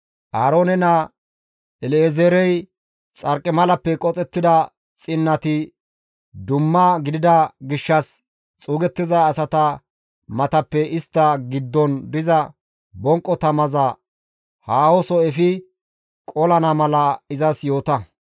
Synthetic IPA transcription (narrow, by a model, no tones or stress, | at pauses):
ʔaːɾo̞ːnɛnɐ | ɛlezeːɾɛj | t͡sʼɐɾkʼːɪmɐlɐpːɛkʼɔt͡sʼɛt̪ːɪd̪ɐ | t͡sʼɪnːɐt̪ɪ | d̪ʊmːɐɡɪd̪ɪd̪ɐɡɪʃːɐs | t͡sʼuːɡɛt̪ːɪzɐːsɐt̪ɐ | mɐt̪ɐpːɛʔɪst̪ːɐɡɪd̪ːɔnd̪ɪzɐ | bɔŋkʼːɔt̪ɐmɐzɐ | haːwɔsɔɛfɪ | kʼɔlɐnɐmɐlɐɪzɐsjo̞ːt̪ɐ